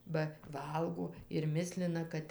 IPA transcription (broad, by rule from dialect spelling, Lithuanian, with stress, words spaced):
bɐ ˈʋɐlˠɡoː ɪr ˈmʲɪsʲlʲɪnɐ ˈkɐt